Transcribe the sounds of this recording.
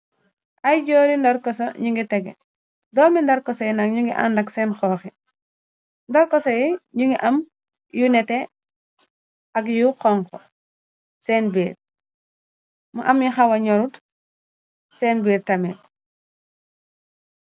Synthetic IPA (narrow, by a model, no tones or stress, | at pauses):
ʔɐjɟoːɾindɐɾkɔsɔɲuŋɡitɛɡɛ̰ | dɔːmindɐɾkɔsɔjinɐkɲuŋɡiʔa̰ndɐksɛnxɔːxɛ | ndɔɾkɔsɔjiɲuŋɡiʔɐm | junɛtɛ | ʔɐɡjuqɔŋkɔ | sɛːnbiːɾ | muʔɐmjixɐwɐɲɔɾut | sɛːnbiːɾtɐmɛt